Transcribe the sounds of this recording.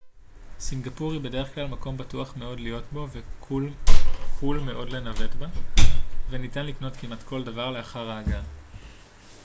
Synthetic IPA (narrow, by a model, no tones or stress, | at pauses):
sinɡapuʁibe̞de̞ʁe̞χklalmako̞mbatuaχme̞o̞dlijo̞tbo̞vekulkulme̞ʔo̞dle̞nave̞tba | ve̞nitanlikno̞tkimatkʰo̞ldavaʁle̞aχaʁaːɡa